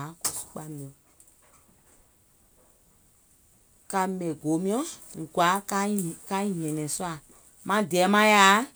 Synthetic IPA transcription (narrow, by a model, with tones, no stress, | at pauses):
ko˨su̥˦k͡pa˦mĩ˨ɔ̃˨ | ka˧mɛ̃˨ɡo˨˦mĩ˦ɔ̃˦ŋ̩˨ɡwa˨˦ka˦ka˦i˦ɲɛ̃˨nɛ̃˨su˦a˦˨ | mã˦dɛː˨˦mã˦ja˨˦